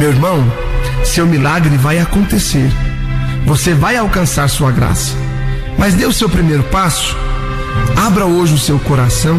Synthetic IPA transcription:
mewiɾmɐ̃w̃ | sewmilaɡɾɪvajakõnt̪eseɾ | vosevajawkɐ̃saɾsuɐɡɾa̰sɐ̥ | mɐzd̪ewʊsewpɾimejɾʊpasʊ̥ | abɾɐoʒɪʊsewkoɾasɐ̃w̃

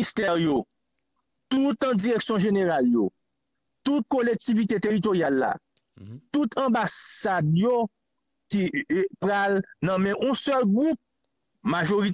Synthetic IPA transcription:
ist̪ɛʁjo | t̪ut̪ãd͡ziʁeksjɔ̃ʒeneʁaljo | t̪ut̪̚kolek̚tivit̪et̪eʁit̪̬oʁjalːa̰ | t̪ut̪ʰɐ̃basadjo | kipʁalnʌ̃mɛ̃ʔũsœlɡʁup̚ | maʒoʁi

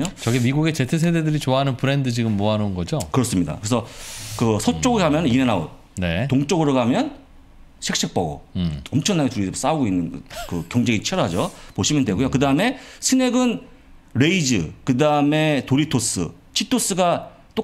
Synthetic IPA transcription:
ot͡ɕʌɡimiɡuɡe̞t͡ɕe̞tʰes̬ʰededɯɾit͡ɕoaɦanɯnpɯɾe̞ndɯt͡ɕiɡɯmːoɦanɯnɡʌd͡ʑokɯɾʌs͈ɯmɲida̰kɯɾesʰʌkɯsʰʌt͡ɕ͈oɡɯkamjʌnniɾenao̰t | ne̞toŋt͡ɕ͈oɡɯɾoɡamjʌn | ɕʰek̚ɕ͈ik̚p͈ʌɡo̰ʌmt͡ɕʰʌŋnaɡetuɾiɾɯs͈auɡoinːɯn̰kɯkjʌŋd͡ʑeŋit͡ɕʰeɾɦad͡ʑopoɕʰimɯndwe̞ɡujokɯdaɯme̞sʰɯne̞ɡɯn | ɾeid͡ʑɯ̰kɯdaɯme̞toɾitʰos͈ɯ̰ | t͡ɕʰitʰos͈ɯɡa | t͈o

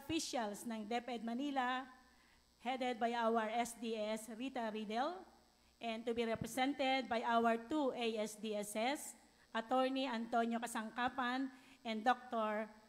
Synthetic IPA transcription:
fiʃalsnɐŋd̪ɛpɛd̪̚mɐniːla | hɛd̪ɛd̪̚bajawɛɹɛsd̪iɛsɾit̪ɐɾid̪ɛl | ʔɛ̃nt̪ubiɾɛpɹɛsɛ̃nt̪ɛd̪̚bajʔawɛɹt̪uʔejɛsd̪iɛsɛs | ʔɐt̪oɹniɐ̃nt̪onjokɐsɐŋkaːpanʔɛ̃nd̪ok̚t̪oɹ

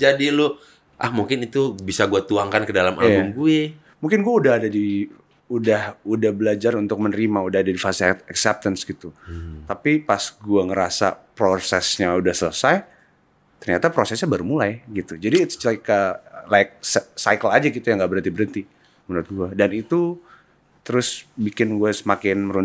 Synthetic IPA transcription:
d͡ʒadilʊ | ʔahmuŋkɪnit̪ubisaɡuat̪uaŋkankədalamʔabʊmɡue | muŋkɪnɡuaudaɦadadi | udahudahbəlad͡ʒarunt̪ʊk̚mənəɾimaudahadadifast̪ɛksɛp̚t̪ənsɡit̪ut̪apipasɡuaŋəɾasa̰pɾosɛ̰sɲaudahsələsaj | t̪ərɲat̪apɾosɛsɲabaɾumulajɡit̪ud͡ʒadit̪t͡ʃikalak̚ssajkəlad͡ʒaɡit̪ujaŋɡaʔbəɾənt̪ibəɾənt̪i | mənɾʊt̪̚ɡuadanit̪u | t̪əɾʊsbikɪnɡuasəmakɪnməɾu

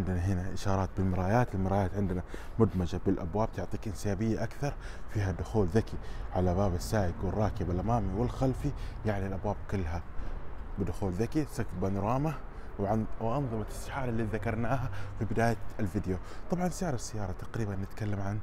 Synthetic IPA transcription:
ʕɪnd̪naɦɪnaʔɪʃɑːɾˤɑːt̪̚bɪlmɪɾaːjaːt̪ɪlmɪɾaːjaːt̪ʕɪnd̪ɪna | mʊd̪mad͡ʒabɪlʔabwaːb̚t̪ʊʕt̪ˤiːkʔɪnsjaːbɪjːaʔakθɑɾˤ | fiːɦad̪ʊxuːlðakiʕalabaːbasːaːjɪɡwɪrˤːɑːkɪbalʔamaːmiwɪlxalfijaʕnialʔabwaːb̚kʊlːɦa | bɪd̪ʊxuːlðakisakfbanʊɾˤɑːma | wwɪʔɑnðˤɨmasɪħɑːɾˤɪlːiːðakɑɾˤnaːɦafibɪd̪aːjaalfɪd̪jot̪ˤɑbʕɑnsɪʕɾˤasːajːɑːɾˤɑt̪ḁqɾiːbanːɪt̪kalːamʕan

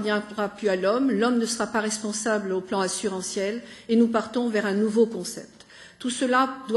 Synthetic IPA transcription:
d̪jɛ̃ʁaplyalɔmlɔmnəsəʁapaʁɛspɔ̃sabloplɑ̃asyʁɑ̃sjɛlenupaʁt̪ɔ̃vɛʁɛ̃nuvokɔ̃sɛ̰p̚t̪ | t̪usəlad̪w

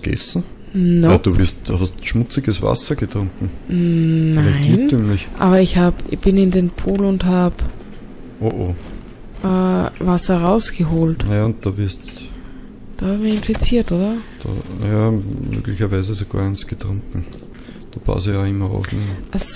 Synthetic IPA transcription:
ɡ̥ɛ̰sn̩ | nad̥uvɪ̰ɐst̚d̥uhastʃmʊt͡sɪɡəsva̰sɐɡətʁʊŋkŋ̩ | naɛtɪintʰːyːmlɪçʔa̰ːβɐɪçhaːbb̥ɪnɪndeːnpʰuːlʊnthaːb | ʔoʔoː | ʔɛːvasɐʁaʊsɡ̥əɦoːltnɐjaʊnt̚d̥avɪɐst | d̥aːhabmiɐɪnfit͡siːɐtʔoːdɐd̥a̰njamø̰ːɡlɪçɐvæɪzəsoɡ̥a̰ɐɛnsɡ̥ətʁʊŋkŋ̩ | d̥opʰa̰sjaɪmːɐa̰ʊfnimʔas

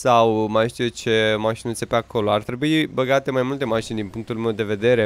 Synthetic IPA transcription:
sawmajʃt̪ijet͡ʃe̞maʃinɨnsepeakʰo̞lo̞art̪ɾe̞buibəɡat̪e̞majmult̪e̞maʃined̪inpuŋkt̪ulumewd̪e̞ve̞d̪e̞ɾe̞

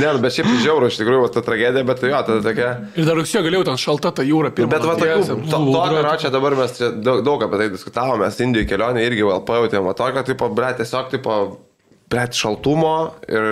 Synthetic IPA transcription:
nʲɛnʊbʲɛt̪ʃʲɛɪptɪʒʲɛʊɾʊːɪʃt̪ʲɪkɾuːjʊʋɐt̪ɐt̪ɾɐɡʲæːd̪ʲɪjɛbʲɛt̪t̪ɐɪjoːt̪ɐd̪ɐt̪oːkʲɛ | ɪɾd̪ɐrʊksʲiːjoɡɐleːjɛʊt̪ʲɛnʃɐlˠt̪ɐt̪ɐjuːɾɐpʲɪrmbʲɛt̪ʋɐt̪oːkʲuːɛnt̪oːt̪oːkʲoɾoːt͡ʃʲɛd̪ɐbɐrmʲɛst͡ʃʲɛd̪ɐʊkd̪ɐʊkɐpʲɛt̪ɐɪdʲɪskʊt̪ɑːʋoːmʲɛsɪndʲɪjuɪkʲɛlʲoːnʲeɪɾʲɡʲɪʋɐɛlˠpɐjɛʊt̪ʲeːmʋɐt̪oːkʲoːt̪iɪpoːbʲɾʲɛtʲiɛsʲoːkt̪ɐɪpoː | bʲrʲɛt̪ʲʃɐlˠt̪ʊmoːɪr

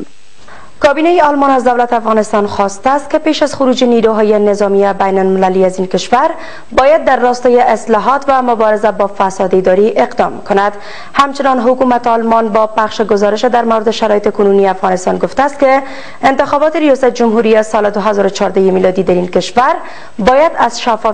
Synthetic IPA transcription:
kɒbinajeɒlmɔnazd̪awlat̪afɣɒnɪst̪ɒnxɒst̪aːst̪̚kepeʃazxʊɾud͡ʒeniɾuɦɒjenɪzɒmiebajnalmɪlaliazinkɪʃvaɾ | bɔjad̪ːaɾːɒst̪ɔjeʔɪslɔɦɒt̪vamʊbɒɾɪzabɒfasɒd̪id̪ɒɾiʔeqd̪ɒmkʊnad̪ | hamt͡ʃɪnɒnɦʊkumat̪ɒlmɔnbɒpaxʃeɡʊzɒɾɪʃed̪aɾmawɾɪd̪ɪʃaɾɔjɪt̪ekununieafɣɒnɪst̪ɒnɡoft̪aːst̪̚ke | ɪnt̪ɪxɔbɔt̪eɾijɒsat̪̚d͡ʒʊmɦuɾijesɒled̪ʊɦazɒɾot͡ʃʰɒɾd̪ajemilɒd̪id̪aɾinkɪʃvaɾ | bɔjad̪azʃaf

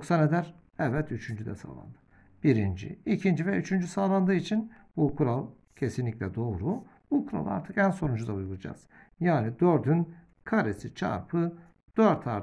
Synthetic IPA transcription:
ksaned̪æɾ | ɛvvɛt̪yt͡ʃʰynd͡ʒyd̪ɛ̰sa̰ːlˠa̰nd̪ɯ | b̥iɾind͡ʒḭicʰind͡ʒivɛyt͡ʃʰynd͡ʒysaːlˠand̪ɯːit͡ʃʰin | bukʰuɾalˠ | cʰe̞sinlʲicʲlʲɛd̪o̞ːɾu | bukʰuɾa̰lˠa̰ɾt̪ʰɯkænso̞ɾund͡ʒud̪aujuɡulˠad͡ʒa̰z̥ | jaːnid̪øɾd̪yn | kʰaɾesit͡ʃʰa̰ɾpʰɯ | d̪̥øɾt̪ʰaɾ

